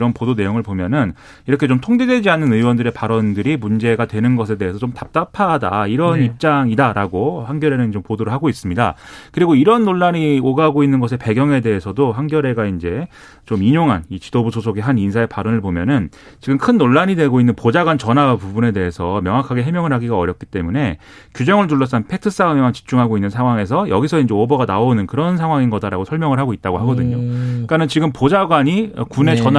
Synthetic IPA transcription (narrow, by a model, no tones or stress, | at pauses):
ɾʌnpodone̞joŋɯɭpomjʌnɯn | iɾʌkʰe̞t͡ɕomtʰoŋdedwe̞d͡ʑianːɯnɯwʌndɯɾe̞paɾʌndɯɾimund͡ʑe̞ɡatwe̞nɯnɡʌs̬ʰe̞de̞ɦesʰʌt͡ɕomtap̚t͈apʰada̰iɾʌnip̚t͡ɕ͈aŋidaɾaɡohaŋɡjʌɾe̞nɯnt͡ɕompodoɾɯɭhaɡois͈ɯmɲida̰kɯɾiɡoiɾʌnːoɭːaɲioɡaɡoinːɯnɡʌs̬ʰe̞pe̞ɡjʌŋe̞de̞ɦesʰʌdoɦaŋɡjʌɾe̞ɡaind͡ʑe̞ | t͡ɕomiɲoŋɦa̰nit͡ɕidobusʰosʰoɡeɦaninsʰae̞paɾʌnɯɭbomjʌnɯn | t͡ɕiɡɯmkʰɯnːoɭːaɲidwe̞ɡoinːɯnpod͡ʑaɡwant͡ɕʌnapubune̞de̞ɦesʰʌmjʌŋɦakʰaɡe̞ɦe̞mjʌŋɯɭɦaɡiɡaʌɾjʌp̚k͈i̥t͈e̞mune̞ | kjud͡ʑʌŋɯɭt̬uɭːʌs̬͈anpʰetʰɯs͈aɯmemant͡ɕi̥p̚t͡ɕ͈uŋɦaɡoinːɯnsʰaŋwaŋe̞sʰʌjʌɡis̬ʰʌind͡ʑe̞obʌɡanaonɯnkɯɾʌnsʰaŋɦwaŋinɡʌdaɾa̰ɡosʰʌɭmjʌŋɯɭɦaɡoit̚t͈aɡohaɡʌdɯɲok͈anɯnt͡ɕiɡɯmpod͡ʑaɡwaɲiʌ̰kune̞t͡ɕʌn